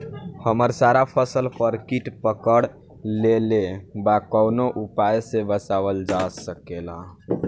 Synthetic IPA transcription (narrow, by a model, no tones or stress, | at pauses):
həməɾsaɾapʰəsəlpəɾkiʈpəkəɽ | lelebakəwnoʔupajsebəsaʋəld͡ʒasəkela̰